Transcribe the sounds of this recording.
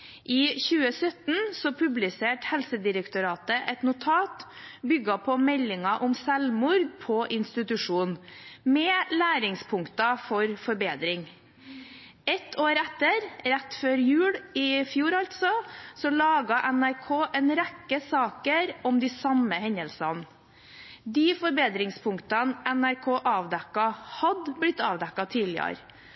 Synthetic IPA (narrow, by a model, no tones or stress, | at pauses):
ʔɪːçʉːəsœt̪n̩sɔpʰʉblɪseːʈhɛlsəd̪ɪɾəkt̪ʊɾɑːt̪əʔɛt̪nʊt̪ʰɑːt̪ | bʏɡɑpʰɔmɛlːɪŋɑʔʊmsɛlmʊɾɡ̚pʰɔʔɪnst̪ɪt̪ʉʂuːnmɛːlæːɾɪŋspʰʊŋkt̪ɑfɔɾfɔɾbeːd̪ɾɪŋ | ɛt̪ʰoːɾɛt̪ːəɾɾɛt̪ːføːɾjʉːɽɪfjuːɾɑlt̪sɔsɔlɑːɡɑʔɛnæɾkʰoːʔɛnɾɛkːəsɑːkəɾɔmd̪ɪːsɑməhɛɲəlsɑn | d̪iːfɔɾbeːd̪ɾɪŋspʰʊŋkt̪ɑnʔɛnæɾkʰoːʔɑːʋd̪ɛkːɑhɑd̪blɪt̪ːɑːʋd̪ɛkːɑt̪ʰiːlɪə̰ɾ